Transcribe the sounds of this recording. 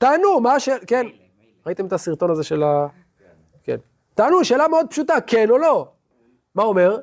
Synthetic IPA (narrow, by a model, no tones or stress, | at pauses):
t̪aːnumaʃeken | ʁait̪emet̪asiʁt̪o̞nazeʃe̞la | kḛn | t̪aːnuʃe̞ːlameo̞d̪̚pʃut̪ake̞no̞lo̞ | maome̞ʁ